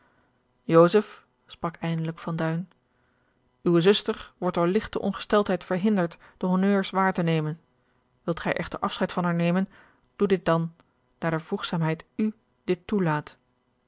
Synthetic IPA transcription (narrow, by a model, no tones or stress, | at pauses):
jowszəf | sprɑkɛjndələkfɑndœɥn | ywəzɵstəɹʋɔɹt̚dʊːɹlɪχtəʔɔ̰nχə̥stɛlˠtɦɛjtfəɹɦɪndəɹtd̥əɦonøːɹsʋaːɹtənejmən | ʋɪlˠtχɛ̰jʔɛχtə̰ɹʔɑfsχɛjtfɑnɦaːɹnejmən | d̥udɪt̚dɑn | daːɹdəv̥ruχsaːmɦɛjty | dɪtːulaːt